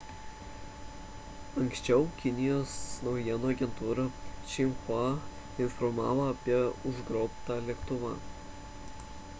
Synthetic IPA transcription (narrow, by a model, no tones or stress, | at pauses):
ɐŋʲksʲt͡ʃʲɛʊkʲɪnʲɪjoːsnɒʊjiɛnoɐɡʲɛnt̪uːɾɐt͡ʃʲɪmxɑ | ɪnfɔɾmɑ̰ːʋoɐpʲiɛʊʒɡɾɔʊpt̪ɑlʲɛkt̪ʊʋɐ̰